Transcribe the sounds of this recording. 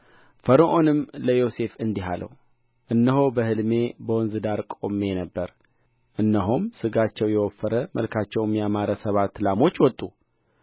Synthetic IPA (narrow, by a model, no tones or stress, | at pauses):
fəɾəʔo̞nɨmləjo̞se̞fɨnd̪iɦa̰lʔə̰w | ʔɨnːəɦo̞bəhɨlme̞bəwɔnzɨd̪aɾkʼo̞mːe̞nəbːəɾ | ʔɨnːəɦumsɨɡat͡ʃːɛwjɛwɔfːəɾəməlkʰat͡ʃːɛwmjamaɾəsəβat̪ːlamo̞t͡ʃːwɔt̪ʼːu